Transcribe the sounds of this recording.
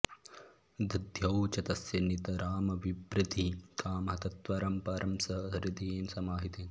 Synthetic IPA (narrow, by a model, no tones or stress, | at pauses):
d̪ʱɐd̪ʱjɐwt͡ʃɐt̪ɐsjɐnit̪ɐɾaːmɐʋibɾɪt̪ikaːmɦɐt̪ɐt̪ʋaːɾɐmpaːɾʔɐmsɐɦɦɐɾid̪ieːnsɐmaːɦit̪eːn